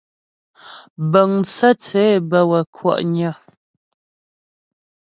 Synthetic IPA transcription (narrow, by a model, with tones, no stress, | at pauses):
bə˨ŋt͡sə˦t͡sɛ˨˦˨bə˦wə˨kʰwɔ̰˦˨ʔɲa˦˨